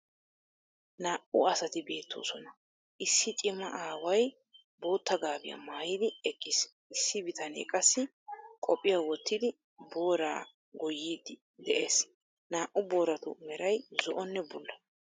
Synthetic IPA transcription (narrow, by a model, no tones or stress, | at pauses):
naːʔʊɐsɐt̪ɪbe̞ːt̪ʰːo̰ːsɔnɐ | ʔɪsːɪt͡ʃʼɪmɐ̰ʔaːwɐj | bo̞ːt̪ʰːɐɡaːbɪ̰jɐ̰maːjid̪ɪɛkʼːɪs | ɪsːɪbɪt̪ʰɐnḛːkʼɐsːɪ | kʼɔpʼːɪjawɔt̪ːɪd̪ɪ | bo̞ːɾaː | ɡɔjːiːd̪ɪ | d̪ɛʔeːs | naːʔʊbo̞ːɾɐt̪ʊ̰mɛɾɐjzɔʔɔnːɛbʊlːɐ